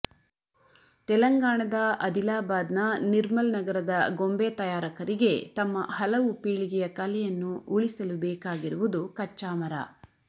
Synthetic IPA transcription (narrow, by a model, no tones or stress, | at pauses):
t̪ɛlɐŋɡaːɳɐd̪ɐʔɐd̪ilaːbaːd̪nɐniɾmɐlnɐɡɐɾɐd̪ɐɡombeːt̪ɐjaːɾɐkɐɾiɡe̞t̪ɐmːɐ̰hɐlɐʋupiːɭiɡɛjɐkɐlɛjɐnːuʔuɭisɐlubɛːkaːɡiɾuʋud̪ukɐt͡ʃːaːmɐɾɐ̰